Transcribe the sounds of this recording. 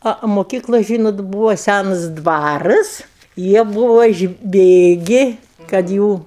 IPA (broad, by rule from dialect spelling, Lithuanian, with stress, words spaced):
ˈɐ oː moːˈkʲiːklˠʊ ˈʒʲiːnoːt ˈbuːʋoː ˈsʲænɐs ˈdʋɑːrɨs ˈjiɛ ˈbʊʋoː ɪʒʲˈbʲeːɡʲɪ kɐt ˈjuː